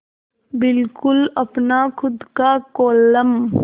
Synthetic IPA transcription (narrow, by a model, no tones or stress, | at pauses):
bɪlkʊlɐpnakʰʊd̪kakɔːləm